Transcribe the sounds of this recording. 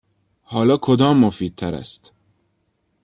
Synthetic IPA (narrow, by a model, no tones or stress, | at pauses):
hɒːlɒːkʰod̪ɒːmːofiːd̪̚t̪ʰæɾæ̰st̪